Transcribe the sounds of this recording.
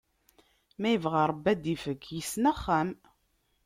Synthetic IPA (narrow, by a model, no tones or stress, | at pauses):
mæjəvʁaɾˤəbːæd̪ifəkːjəsnæχːæm